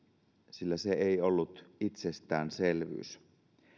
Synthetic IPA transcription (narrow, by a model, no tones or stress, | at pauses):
silːæseeiolːut̪it̪sest̪æːnselʋy̰ːs